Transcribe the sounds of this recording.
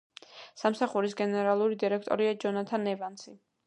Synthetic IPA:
samsaχuɾisɡɛnɛɾalˠuɾid̪iɾɛkʰt̪ʼɔ̰ɾiad͡ʒɔnat̪ʰanɛvant̪sʰi

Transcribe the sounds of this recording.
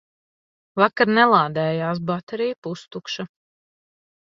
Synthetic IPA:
vakaɾnɛlˠaːd̪ɛːjaːs̬bat̪ɛɾijpust̪ukʃa

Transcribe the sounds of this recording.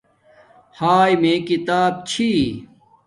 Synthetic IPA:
haːjmeːkit̪aːb̚t͡ɕʰi

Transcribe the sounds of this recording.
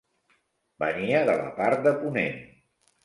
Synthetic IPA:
bəniəðələ̰paɾt̪̚d̪əpunḛn

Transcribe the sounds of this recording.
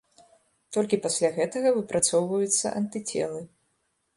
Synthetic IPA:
t̪ɔlʲkʲipasʲlʲaɣɛt̪ɐɣɐvɨpɾat̪sɔwvɐjut̪sːɐ̰ʔɐnt̪ɨt͡sʲɛ̰lˠɨ

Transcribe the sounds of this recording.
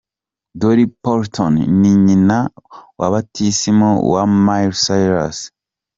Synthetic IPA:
doɾipoɾtʰonniɲinawa̰βatʰisimowa̰majɾsajɾa̰s

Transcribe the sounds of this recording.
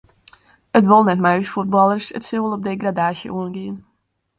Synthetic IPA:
ətʋolˠnɛtmajsfud̚bɑlˠərsə̰tsɪwəlˠɔp̚dejɡradaːʃə̰ʔuənɡiən

